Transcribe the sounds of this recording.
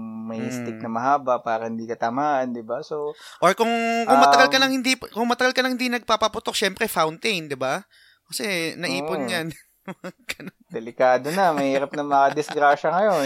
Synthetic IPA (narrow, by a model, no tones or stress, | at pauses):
mɐjst̪ɪk̚nɐmɐɦaːbɐʔpaːɾɐhɪnd̪iːkɐt̪ɐmaːʔɐnd̪ɪbasoʔoɹkʊŋkʊŋmɐt̪ɐɡalkɐnɐŋhɪnd̪ipkʊŋmɐt̪ɐɡalkɐnɐŋhɪnd̪inɐɡ̚papɐpʊt̪ok̚ʃɛmpɾɛfawnt̪ejnd̪ɪba | kɐsɛnɐʔiːponɲan | mɐɡɐnod̪̥ɛlɪkaːd̪onɐmɐhiːɾɐp̚nɐŋmɐŋad̪ɪsɡɾaːʃɐŋɐjo